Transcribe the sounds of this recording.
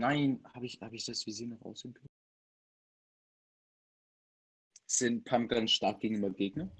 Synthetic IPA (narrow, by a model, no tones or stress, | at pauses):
naɪnhaːbɪçha̰ːbɪçd̥asv̥iziːnɔχʔa̰ʊsɛmpʰø | z̥ɪnpʰampɡ̥ansʃtaɐk̚ɡ̥eːɡŋ̩yːbɐɡeːɡnɐ